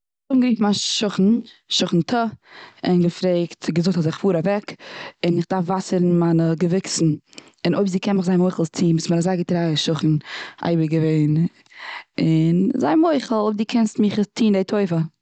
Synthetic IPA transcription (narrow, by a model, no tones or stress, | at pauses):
ʊbmɡəɾiːftmanʃʊχn̩ | ʃʊχn̩tʰəɪnɡəfɾeɪktɡəzʊkthɔtzɪχfuːɾavɛkɪnɪχdaɾfvasəɾn̩manəɡəvɪksn̩ | ɪnʔoɪbziːkʰɛnmɪχzaɪnmoɪχlˠst͡sʰiːnviːsməɾazaɪɡətɾaːəʃʊχn̩ʔa̰ɪbəɡəveɪn | ɪnzaɪnmoɪχl̩ˠoɪb̚diːkʰɛnstmɪχtʰiːndeɪtʰoɪfə